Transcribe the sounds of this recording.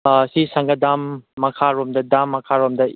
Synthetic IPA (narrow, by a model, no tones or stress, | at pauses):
sisaŋɡɐdamːɐkʰaɾɔmdɐdamːɐkʰaɾɔmdɐ